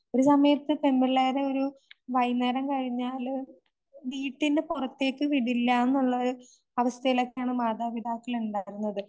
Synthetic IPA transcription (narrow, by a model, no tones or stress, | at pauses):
o̞ɾusɐmɐjɐt̪ːɨt̪embiɭeːɾeo̞ɾuʋɐjnɐɾɐmkɐɻiɲːaːl | ɖiːʈːindɨpurɐt̪ːe̞ːkːɨʋiɽilːaːenːuɭːɐoɾu | ɐʋɐst̪ʰɐjilɐkːaːɳɨmaːd̪aːʋid̪ʱaːkːɐɭuɳɖaːjiɾunːɐðɨ